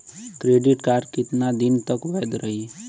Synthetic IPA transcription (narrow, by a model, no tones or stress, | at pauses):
kɾeɖiʈkaɾɖkit̪nad̪int̪əkbajd̪ɾəɦi